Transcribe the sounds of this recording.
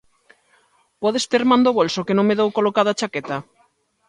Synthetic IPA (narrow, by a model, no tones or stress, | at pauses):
pɔðest̪eɾmãnd̪oβolsokenõŋmeðewkolokaðat͡ʃaket̪a